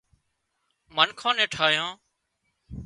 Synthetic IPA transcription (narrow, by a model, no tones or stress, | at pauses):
mənkʰãːnẽːʈʰaːjãː